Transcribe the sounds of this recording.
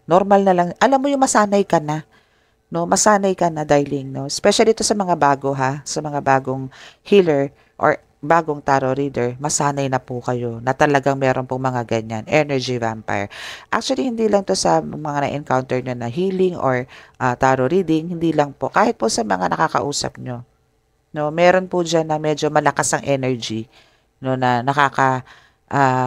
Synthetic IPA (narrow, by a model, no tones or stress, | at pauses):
noɾmɐlnɐlɐŋʔɐlamːojʊŋmɐsaːnɐjkɐna | no̞mɐsaːnɐjkɐnɐd̪ajlɪŋno̞ʔɛspɛʃaliɪt̪o̞sɐmɐŋabaːɡo̞ɦasɐmɐŋabaːɡoŋhiːlɛɹ | ʔo̰ɹ | baːɡoŋt̪aɾoɾiːd̪ɛɹmɐsaːnɐjnɐpʊkɐjo̞nɐt̪ɐlɐɡaŋmɛːɾʔo̞npoŋmɐŋaɡɐɲanʔɛnɛɹd͡ʒiva̰mpa̰j̰ɹʔa̰k̚t͡ʃʊɐlihɪnd̪iːlɐŋt̪o̞sɐmɐŋanɐ̰ʔɛnkawnt̪ɛɹɲonɐɦiːlɪŋʔoɹʔat̪aːɾoɾiːd̪ɪŋhɪnd̪iːlɐŋpo̞ʔkaːhɪt̪̚posɐmɐŋanɐkakɐ̰ʔuːsɐ̰p̚ɲo̞ | no̞mɛːɾo̞npʊd͡ʒanːɐmɛːd͡ʒo̞mɐlɐkasɐŋʔɛːnɛɹd͡ʒi | nonɐnɐkaːkɐ | ʔa